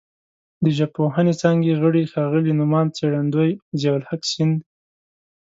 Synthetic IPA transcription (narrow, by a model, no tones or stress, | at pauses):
d̪əʒapoɦanet͡sɑŋɡeɣəɽixɑɣəlinʊmɑnt͡seɽand̪ojzewalhaksɪnd̪